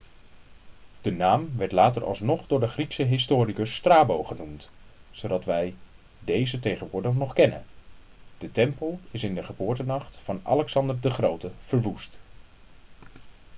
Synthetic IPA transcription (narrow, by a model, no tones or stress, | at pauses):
d̥ənaːmʋɛɹtlaːtəɹʔɑ̰lˠsnɔχdʊːɹdəχriksəɦɪstʊːrikəsːtraːbowχənumt | zowdɑtʋɛj | dejzətejχənʋʊːɹdəχnɔχkɛnə̰n | d̥ətɛmpəlˠɪsɪndəχəbʊːɹtənɑχtfɑnɑ̰lɛksɑndəɹdəχrowtəv̥əɹʋust